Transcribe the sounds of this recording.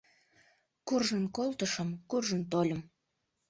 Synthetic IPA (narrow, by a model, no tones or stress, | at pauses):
kurʒənkolˠt̪əʃəmkurʒənt̪̬olʲəm